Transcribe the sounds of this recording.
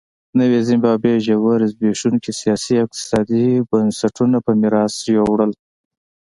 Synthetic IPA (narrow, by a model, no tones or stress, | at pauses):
nəwezɪmbɑːbeʒawaɾzbeʂunkisijɑsiɪq̚t̪ɪ̥sɑd̪ibənsaʈʰunapəmiɾɑsjowɽəl